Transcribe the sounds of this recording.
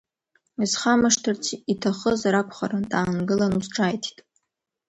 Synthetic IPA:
izχamaʂtʰɨrt͡sʰitʰaχəzɾakʷʰχa̰rantʼaːnɡɨlanusʈ͡ʂʰaːjtʰi̥tʼ

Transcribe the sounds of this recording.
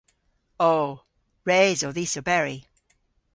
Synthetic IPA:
oː | ɹeːzəðisəbɛɹi

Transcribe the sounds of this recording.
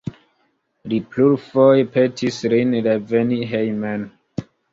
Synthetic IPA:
lipluɾfojpetʰisɾinɾeveniɦejmen

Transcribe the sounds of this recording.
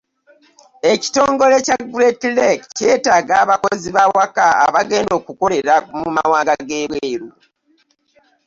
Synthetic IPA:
e̞ci̥to̞ːŋɡo̞le̞caɡuɾetlekce̞ːtaːɡaːβakoziβawakaa̰βaɡe̞ːndo̞ːkuko̞ɾe̞ɾamuma̰waːŋɡaɡeːβweːɾu

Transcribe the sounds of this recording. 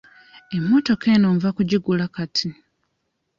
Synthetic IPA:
e̞mːo̞to̞ke̞noːɱvakuɟiɡulakatʰi

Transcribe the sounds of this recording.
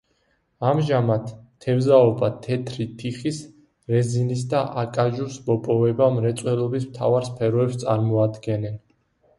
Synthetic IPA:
amʒamat̪ʰːɛvzaɔbat̪ʰɛt̪ʰɾit̪ʰiχis | ɾɛzinis̬d̪aʔakʼaʒuɾsmɔpʼɔvɛbamɾɛt̪sʼwɛlˠɔbismt̪ʰavaɾspʰɛɾɔɛpst̪sʼa̰ɾmɔad̪ɡɛnɛn

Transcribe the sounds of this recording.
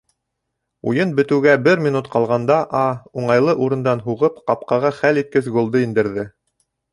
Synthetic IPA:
ṵjɤnbɘ̆t̪ɘ̆wɡæbɘɾmʲinut̪qɑlˠʁɑnd̪ɑʔɑuɴɑjlˠɤʔuɾɤ̆nd̪ɑnɦuʁɤpqɑp̚qɑʁɑχælit̪̚kɘsɡŏlˠd̪ɤind̪ɘ̆ɾðɘ

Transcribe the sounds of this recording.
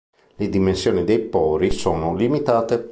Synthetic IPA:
led̪imensjoːnid̪ejpɔːɾisoːnolimit̪aːt̪e

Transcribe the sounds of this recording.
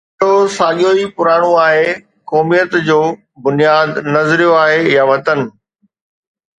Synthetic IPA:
osaːɠijoipʊɾaːɽ̃oaːɦe | kɔːmijət̪d͡ʑoː | bʊnijaːd̪nɐzɾijoaːɦejaʋɐt̪ənɪ̆

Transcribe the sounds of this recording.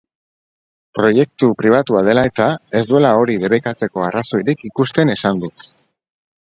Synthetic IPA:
pɾo̞je̞k̚t̪upɾiβat̪uað̞e̞lae̞t̪ae̞sd̪ue̞lao̞ɾiðe̞βekat͡se̞ko̞araso̞iɾikikust̪e̞ne̞sand̪u

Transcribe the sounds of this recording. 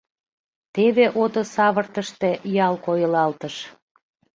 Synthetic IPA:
t̪eβeʔod̪osɑβərt̪əʃt̪e̽jɑlkojəlɑlt̪əʃ

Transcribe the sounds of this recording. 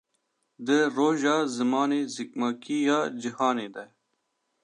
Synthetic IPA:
d̪əɾoːʒɑːzəmɑːneːzik̚mɑːkijɑːd͡ʒəhɑːneːd̪a

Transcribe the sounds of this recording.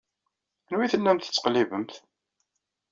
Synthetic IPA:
ænwiθəlːæmt̪ə̥t͡sːə̥qlivəmθ

